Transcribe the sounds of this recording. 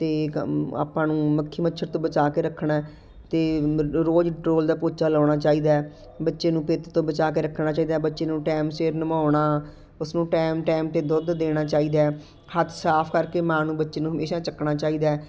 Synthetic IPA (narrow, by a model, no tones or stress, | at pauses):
t̪eːa̰ːpãːnũːməkʰːiːmətːʃʰəɾt̪õːbət͡ʃaːkeːɾəkʰɳa | t̪eːɾoːd͡ʒʈɾoːld̪aːpoːt͡ʃaːlaːɽ̃aːt͡ʃaːiːd̪aː | bətːʃeːnũːpeːt̪t̪õːbət͡ʃaːk̬eːɾəkʰnaːt͡ʃaːiːd̪aːbətːʃeːnũːʈɛːmseːɾnəmaːɳaː | ʊsnũːʈɛːmʈɛːmt̪eːd̪ʊd̪d̪eːɽ̃aːt͡ʃaːiːd̪aː | hət̪ʰsaːpʰkəɾkeːmaːnũːbətːʃeːnũːɦəmeːʃaːt͡ʃəkɳaːt͡ʃaːiːd̪aːɛ